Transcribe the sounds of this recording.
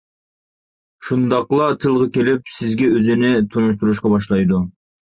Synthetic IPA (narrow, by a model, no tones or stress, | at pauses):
ʃund̪ɑqlˠɑt̪ʰɨlˠʁɑkʲelɪpsɪzɡʲɛøzɪnɪt̪ʰunuʃ̬t̪uɾuʃqɑbɑʃlˠɑjd̪u